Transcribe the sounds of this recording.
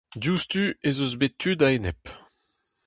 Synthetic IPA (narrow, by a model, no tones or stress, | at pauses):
d̪just̪yezøzbet̪ʰːyd̪aenɛp